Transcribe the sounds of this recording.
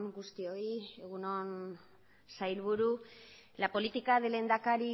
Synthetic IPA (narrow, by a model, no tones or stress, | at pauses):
ŋɡust̪io̞ieɣuno̞n | sajlβuɾu | lapo̞lit̪ikaðelend̪akaɾi